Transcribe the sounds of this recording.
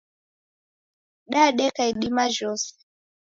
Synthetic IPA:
ɗaɗɛkaiɗimaʒɔsɛ̥

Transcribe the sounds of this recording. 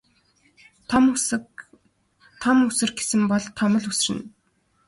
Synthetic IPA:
t̪ʰɔmusɘ̆rɡe̥sɘ̆mpɔɮt̪ʰɔmɞ̆ɮusrɘ̆n

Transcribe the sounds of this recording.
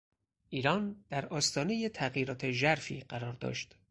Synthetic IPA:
ʔiːɾɒːnd̪̥æɾɒːst̪ʰɒːne̞jet̪ʰæɣjiːɾɒːt̪ʰeʒæɾfḭːɢæɾɒːɾd̪ɒ̰ʃt̪

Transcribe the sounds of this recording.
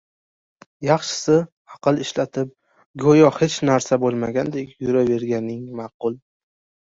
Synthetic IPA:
jɑχʃɪ̥sɪ | ɑqɨlˠɪʃlat̪ʰɪp̚ | ɡojɒhe̞t͡ʃnaɾsabolˠmaɡʲand̪e̞kʲjʊɾave̞ɾɡʲanɪŋmɑːqʊlˠ

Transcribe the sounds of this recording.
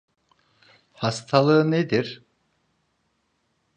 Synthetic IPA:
hast̪ʰalˠɯɯned̪iɾ̥

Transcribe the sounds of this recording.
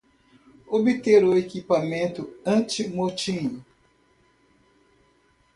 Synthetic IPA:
obit̪eɾoekipamẽnt̪ʊɐ̃t͡ʃimot͡ʃĩɲʊ

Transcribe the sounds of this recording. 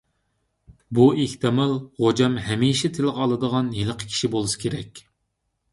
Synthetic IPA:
bueht̪ɨmɑlˠʁod͡ʒɑmɦɛmiʃɛt̪ʰɪlɨʁɑlˠɨd̪əʁɑnjeləqʰə̥kʲʰi̥ʃibolˠusɨ̥kʲʰeɾɛkʲ

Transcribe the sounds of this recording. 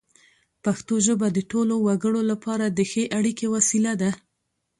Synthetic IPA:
paxt̪oʒəbad̪əʈolowaɡəɽolapɑɾad̪əxeʔaɽikewasilad̪a

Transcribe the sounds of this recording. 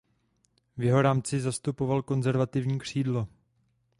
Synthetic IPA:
vjɛɦo̞ɾaːmt͡sɪzast̪upo̞valko̞nzɛɾvat̪ɪvɲiːkr̝̥iːdlo̞

